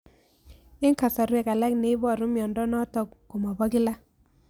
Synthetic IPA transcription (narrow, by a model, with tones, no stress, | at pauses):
ɪ˦ŋka˨sa˨ɾwɛ˨ka˨la˦kne˦bɔ˦˨ɾʊ˦mjɔ˨ndɔ˦nɔ˦tɔ˦kko˨ma˨ba˦ki˦la˦